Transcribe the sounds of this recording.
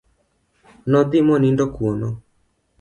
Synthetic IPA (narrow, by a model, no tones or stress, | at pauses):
nɔd̪ɪmɔnindɔkuɔnɔ